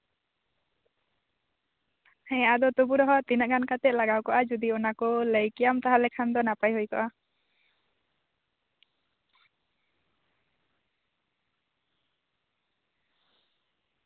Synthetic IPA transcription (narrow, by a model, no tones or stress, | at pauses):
hɛ̃jaʔad̪ɔt̪ubuɾɔɦɔt̪inəʔɡankat̪ɛt̪̚ˀlaɡawkɔʔad͡ʒud̪iɔnakɔləjkijamt̪aɦalɛkʰand̪ɔnapajɦujkɔʔa